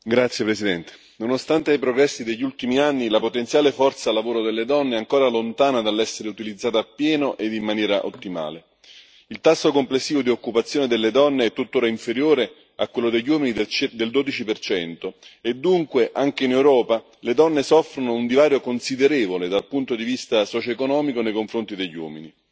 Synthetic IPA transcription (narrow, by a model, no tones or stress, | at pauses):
ɡɾat̪sːjepɾesid̪ɛnt̪e̥ | nonost̪ant̪eajpɾoɡɾɛsːid̪eʎːult̪imianːilapot̪ent̪sjaːlefɔrt̪saːlːavoːɾod̪elːed̪ɔnːeaŋkoːɾalont̪aːnad̪alːɛsːeɾeut̪ilid̪zːaːt̪aapːjɛːnoʔed̪imːanjɛːɾaʔo̰t̪ːima̰ːle | ilt̪asːokomplesːiːvod̪iokːupat̪sːjoːned̪elːed̪ɔnːeɛt̪ːut̪ːoːɾaiɱfeɾjoːɾe | akwelːod̪eʎːuwɔːminid̪eld̪oːd̪it͡ʃipert͡ʃɛnt̪oed̪ːuŋkweʔaŋk̟einewɾɔːpa | led̪ɔnːesɔfːɾonound̪ivaːɾjokonsid̪eɾeːvoled̪alpunt̪od̪ivist̪asɔt͡ʃoekonɔːmikonejkoɱfɾont̪id̪eʎːwɔ̰ːmini